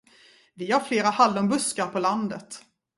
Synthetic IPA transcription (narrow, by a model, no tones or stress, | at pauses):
vɪhaɾfleːɾahald̪ɔmbɵskaɾpʰɔland̪ət̪